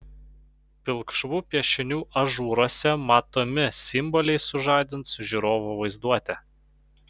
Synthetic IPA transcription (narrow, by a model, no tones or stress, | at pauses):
pʲɪlˠkʃʋuːpʲiɛʃʲɪnʲuːʔɐʒuːɾoːsʲɛmɑːt̪oːmʲɪsʲɪmbɔlʲɛɪsʊʒɑˑːd̪ʲɪnt̪sʊʒʲuɾoːʋoʋɐɪzd̪uɔt̪ʲɛ